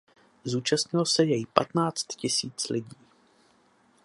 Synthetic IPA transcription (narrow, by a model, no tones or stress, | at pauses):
zuːt͡ʃast̪ɲɪlosɛjɛjɪpa̰t̪naːt͡st̪cɪsiːt͡slɪɟiː